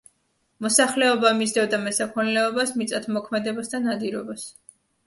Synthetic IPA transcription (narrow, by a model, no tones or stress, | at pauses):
mɔsaχlɛɔbamisd̪ɛvd̪amɛsakʰɔnɛlɛɔbasmit̪sʼat̪ʰmɔkʰmɛd̪ɛbasd̪anad̪iɾɔbas